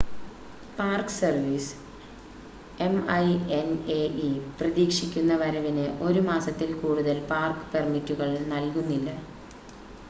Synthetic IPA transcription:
paːrkɨ̥sɐrʋiːs | e̞mɐjeneiprɐðiːkʂikʲːunːɐʋɐɾɐʋinɨʔo̞ɾumaːsɐt̪ːilkuːɽuðɐlpaːrkɨ̥permitːuɣɐɭnɐlkunːilːɐ

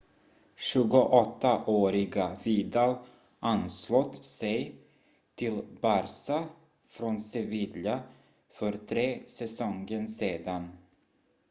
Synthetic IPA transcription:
ɕɵ̟ːɡʊʔɔt̪ːaʔoːɾɪɡaviːd̪al | ʔanslɔt̪sɛj | t̪ʰɪlbaɾsa | fɾɔnsɛvɪlja | fœɾt̪ʰɾeːsɛsɔŋɡənseːd̪an

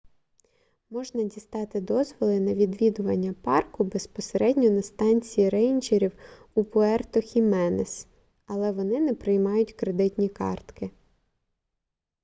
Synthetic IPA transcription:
mɔʒnɐdʲist̪ɑt̪ɪd̪ɔzʋɔlˠɪnɐʋʲid̪ʋʲid̪ʊʋɐnʲːɐpɑrkʊbespɔseɾʔɛdʲnʲɔnɐst̪ɑnʲt͡sʲijiɾɛjnt͡ʃeɾʲiw | upʊɛrt̪ɔxʲimɛnes | ɐlˠɛʋɔnɪnɛpɾɪjmɑjʊtʲkɾed̪ɪt̪ʲnʲikɑ̰rt̪kɪ

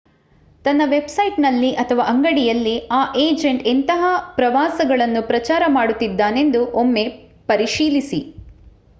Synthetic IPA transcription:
t̪ɐnːɐʋe̞bsɐjʈnɐlːiʔɐt̪ʰɐʋaːʔɐŋɡɐɽijɐlːiaːʔeːd͡ʒe̞ɳʈent̪ɐɦɐpɾɐʋaːsɐɡɐɭɐnːupɾɐt͡ʃaːɾɐmaːɽut̪ːid̪ːaːne̞nd̪uʔomːe̞ | pɐɾiʃiːlisi

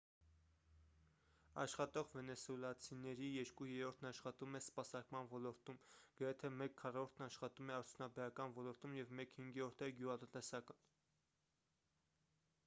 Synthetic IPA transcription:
ɑ̰ʃχɑt̪ɔʁvɛnɛsuɛlɑt͡sʰinɛɾijɛɾkujɛɾɔɾt̪ʰnɑʃχɑt̪umɛspɑsɑɾkmɑnvɔlɔɾt̪umɡ̥əɾɛt̪ʰɛmɛkʰːɑrɔɾt̪ʰnɑʃχɑt̪umɛɑɾt̪ʰjunɑbɛɾɑkɑnvɔlɔɾt̪umjɛvmɛkhiŋɡɔɾt̪ʰɛɡjuʁɑt̪ənt̪ɛsɑkən

